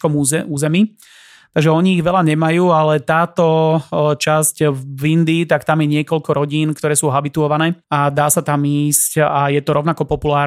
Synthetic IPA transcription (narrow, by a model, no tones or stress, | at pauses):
kɔmuːzɛmiː | t̪aɡʒɛɔɲiːɣʋɛlaɲɛmajuːalɛt̪aːt̪ɔt͡ʃascʋind̪iːt̪akt̪amjɛɲɪɛkɔlkɔɾɔɟiːnkt̪ɔɾɛːsuːɦabit̪uɔʋanɛːad̪aːsat̪amiːscajɛt̪ɔɾɔʊnakɔpɔpulaːɾ